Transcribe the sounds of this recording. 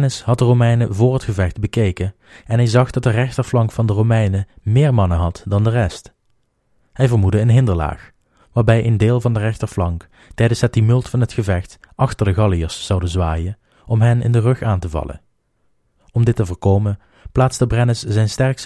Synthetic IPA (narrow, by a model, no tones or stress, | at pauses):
nəshɑt̚dərowmɛjnəvʊːɹɦətxəvɛxdbəkejkən | ɛnɦɛjzɑχdɑt̚dərɛxtəɹflɑŋkfɑndərowmɛjnəmɪːɹmɑnəɦɑtdɑndərɛst | hɛjvəɹmudəənɦɪndəɹla̰ːx | ʋaːɹbɛjʔendɪːlˠvɑndərɛxtəɹflɑŋk | tɛjdənsɦt̚imʏlˠtfɑnɦətxəvɛxtʔɑxtəɹdəɣɑlˠijəɹszɑwdəzʋaːjən | ʔɔmɦɛnɪ̰ndərɵxaːntəvɑ̰lə̰ | ɔmdɪtːəvəːɹkowmən | plaːtsdəbrɛnəszɛjnstɛɹks